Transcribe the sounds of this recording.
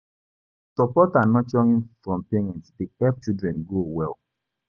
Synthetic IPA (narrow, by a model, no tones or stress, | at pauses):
tɔpɔtanɔt͡ʃɔŋinfɹɔ̃mpeɹɛ̃ntdiɛvt͡ʃidɹɛ̃nɡowɛl